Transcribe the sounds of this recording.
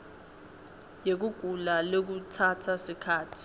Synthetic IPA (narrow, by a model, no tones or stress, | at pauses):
jek̬uɡ̥ʱulalok̬utʰatʰasikʰaːtʰi̥